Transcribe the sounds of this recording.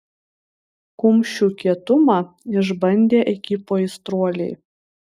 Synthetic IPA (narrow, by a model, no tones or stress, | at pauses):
kʊmʲʃʲuːkʲiɛt̪ʊmɑ | ɪʒbɐnʲd̪ʲeːʔɛkʲipoːɪst̪ɾuɔlʲɛɪ